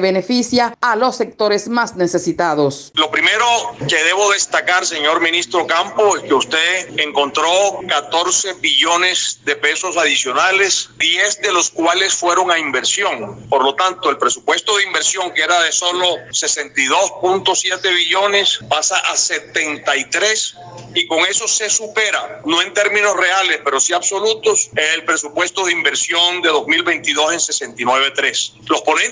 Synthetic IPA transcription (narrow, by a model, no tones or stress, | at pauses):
βene̞fisjaalo̞sːe̞k̚t̪o̞ɾesmasnesesit̪aðoslo̞pɾimeɾoke̞ðe̞βo̞ðe̞st̪akaɾse̞ɲo̞ɾmĩnist̪ɾo̞kampoeskeust̪eðeŋko̞nt̪ɾo̞kat̪o̞ɾse̞βiʝo̞nezd̪epe̞so̞saðisjo̞nale̞sd̪jezd̪e̞lo̞skwale̞sfwe̞ɾo̞ŋaimbe̞ɾsjo̞ŋpoɾlo̞t̪ant̪oe̞lpɾesupwe̞st̪o̞ðeimbe̞ɾsjo̞ŋkeeɾaðeso̞lo̞se̞se̞nt̪ajðo̞spunt̪osje̞t̪e̞βiʝo̞ne̞spasaʔase̞t̪e̞nt̪aijt̪ɾes | iko̞ŋe̞so̞se̞supe̞ɾano̞e̞nt̪eɾmĩno̞sre̞ale̞spe̞ɾo̞siaβso̞lut̪oseelpɾe̞supwe̞st̪oðeimbe̞ɾsjo̞nd̪eðo̞zmilβe̞nt̪iðo̞se̞nse̞se̞nt̪inwe̞βe̞t̪ɾeslospo̞nen